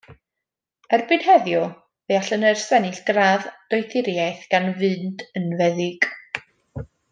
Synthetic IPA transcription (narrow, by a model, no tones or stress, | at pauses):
ərbɨd̥hɛðjɔ | veaɬənərsɛnɪɬɡ̥raːðd̥ɔjθɪɾjajθɡ̥anvɨːndənvɛðɪɡ̥